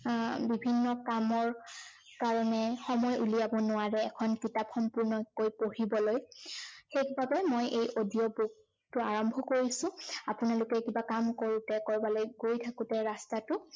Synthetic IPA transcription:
bibʱinːɔkamɔɹ | kaɹɔnɛxɔmɔjʔulijabɔnʊaɹɛːkʰɔnkitapxɔmpuɹnɔkojpohibɔlojxekbabɛmojʔejʔodiɔbuk̚ | tʊaɹɔmbʱɔkoɹisʊ̃apʊnalʊkɛkibakamkoɹutɛkɔɹbalojɡojtʰakʊtɛɹastatʊ

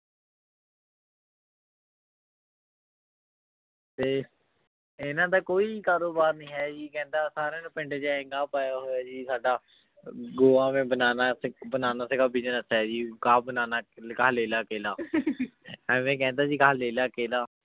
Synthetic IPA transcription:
t̪eː | ɪnãːt̪aːkoːiːkaːɾoːbaːɾnĩːɦɛːd͡ʒiːkɛ̃ːnd̪aːsaːɾẽːnũːpɪ̃ɳɖed͡ʒaɪ̃ŋɡaːpaːjaːɦoːjaːd͡ʒiːsaːɖaː | ɡoːãːmẽːbənaːnaːbənaːnaːsəɡaːbid͡ʒənəsɦɛːd͡ʒiːkaːbənaːnaːkaːleːlaːkeːlaː | ɛ̃ːmẽːkɛ̃ːnd̪aːd͡ʒiːkaːleːlaːkeːlaː

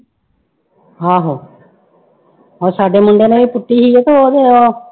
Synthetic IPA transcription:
aːɦoː | ɔːɾsaːɖeːmʊɳɖeːneːbiːpʊʈːiːɦiːet̪oːoːd̪eːoː

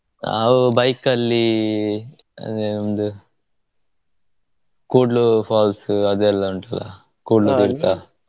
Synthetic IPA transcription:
a̰ʋubɐjkɐlːi | ɐ̰enɐmd̪u | koːɖlupʰaːlsɐd̪ɛlːɐuɳʈɐla̰ | koːɖlɐd̪iɾt̪aː

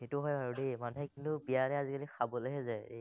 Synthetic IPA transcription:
xetʊɦɔjaɹudemanuɦɛkintʊbiaɹɛazikalixʰabɔleɦɛzɛḛ

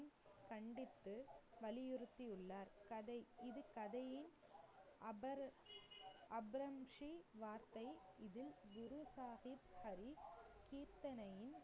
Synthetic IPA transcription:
nkɐɳɖɪt̪ːɯʋɐɭɪjɪɾɯt̪ːiɯɭːaːɾkɐðɐɪɪðɯkɐðɐjɪn | ɐ | ɐbɾɐmʂiʋaːɾt̪ɐɪɪðɪlɡʊɾʊsaːɣɪbhɐɾikiːɾt̪ɐnɐjɪn

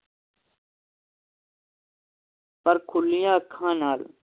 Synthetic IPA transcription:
pəɾkʰʊlɪjãːkʰːãːnaːl

